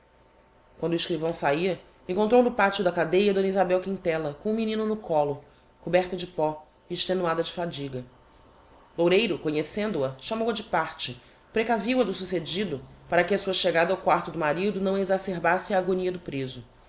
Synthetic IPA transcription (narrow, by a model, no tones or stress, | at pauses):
kwɐ̃nd̪ʊiʃkɾivɐ̃w̃saiɐ | ẽŋkõnt̪ɾownʊpat͡ʃiʊd̪ɐkad̪ejɐd̪õnizabɛwkĩnt̪ɛlɐkõũminĩnʊnʊkɔlʊ | kubɛɾt̪ɐd͡ʒɪpɔ | iːʃt̪enuad̪ɐd͡ʒɪfad͡ʒiɡɐ | lowɾejɾʊkoɲesẽnd̪ʊɐʃamowɐd͡ʒɪpaɾt͡ʃɪ | pɾekaviwɐd̪ʊsused͡ʒid̪ʊpaɾɐkɪɐsuɐʃeɡad̪ɐawkwaɾt̪ʊd̪ʊmaɾid̪ʊnɐ̃w̃ezaseɾbasɪɐːɡoniɐd̪ʊpɾezʊ